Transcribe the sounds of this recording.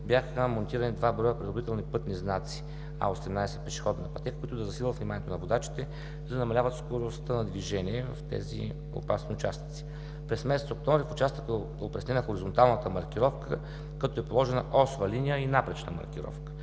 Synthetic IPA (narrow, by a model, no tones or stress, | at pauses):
bʲjaxəmont̪iɾənid̪vabɾɔjəpɾid̪oɾit̪ɛlˠnipɤt̪niznat̪si̥ | a̰osɛmnajsɛ̥pɛʃi̥xɔd̪nɐpɐt̪ɛkkoit̪ʊd̪ɐzɐsilʲˠvət̪vnimanijɛt̪onɐvod̪at͡ʃi̥t̪ɛ | zɐnɐmɐlʲavət̪skoɾost̪ənɐd̪viʒɛniɛvɐft̪ɛ̰zḭ | o̰pasniʊt͡ʃasni̥t̪si̥ | pɾɛsmɛsɛt̪sok̚t̪ɔmvɾifʊt͡ʃast̪ək̪əd̪opɾʲɐsnɛnəxoɾizont̪alˠnət̪əmɐɾk̟iɾɔfkə | kɐt̪ɔɛpolˠɔʒɛnəʔɔsvəlinijəinapɾɛt͡ʃnə̰mɐ̰ɾkʲiɾɔ̰fkə̥